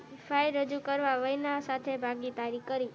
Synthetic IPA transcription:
fʰajɾəd͡ʒukəɾʋaʋəjnasat̪ʰebʱaɡit̪aɾikəɾi

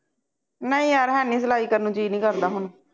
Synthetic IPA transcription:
nəĩːəːɾɦɛːnĩːs̬əlaːiːkəɾnũːd͡ʒiːnĩːkəɾd̪aːɦʊnː

